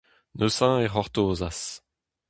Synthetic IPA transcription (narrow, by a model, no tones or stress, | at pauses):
nøsãeʁɔʁt̪oːzas